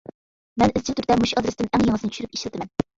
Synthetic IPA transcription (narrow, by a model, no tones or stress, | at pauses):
mɛnɪzt͡ʃʰɪt̪ʰyɾt̪ɛmuʃɑd̪ɾɨsd̪ɪnʔæŋjeŋəznɨt͡ʃʲʰyʃyɾyp̚i̥ʃɾɪt̪ʰɪmɛn